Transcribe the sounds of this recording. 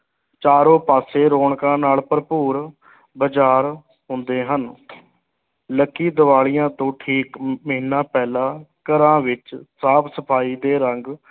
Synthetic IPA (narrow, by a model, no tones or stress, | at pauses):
t͡ʃaːɾõːpaːseːɾoːɳkãːnaːlpəɾpuːɾ | bəd͡ʒaːɾ | ɦʊ̃nd̪eːɦən | ləkːiːd̪əʋaːlijãːt̪õːʈʰiːkməɦiːnãːpɛːlãːkəɾãːʋɪt͡ʃsaːbsəpʰaːiːd̪eːɾəŋɡ